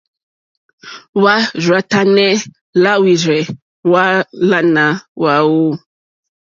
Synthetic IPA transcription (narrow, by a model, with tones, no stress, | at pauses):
wa˦ʒwa˨ta˦nɛ˦ | la˦wi˨zɛ˨ | wa˦la˦na˨wa˦wu˦